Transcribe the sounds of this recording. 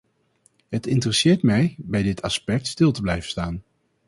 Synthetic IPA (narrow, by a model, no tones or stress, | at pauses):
ɦətɪntərəsɪːɹtmɛjbɛjdɪtʰɑspɛk̚tstɪlˠtəblɛjvənstaːn